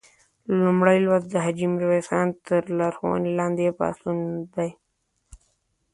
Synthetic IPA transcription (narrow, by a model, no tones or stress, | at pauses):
lumɽajlwazd̪əɦad͡ʒimɾwesɑːnt̪əɾlaɾxwa̰nilɑ̃ːnd̪epɑ̰ːsund̪aj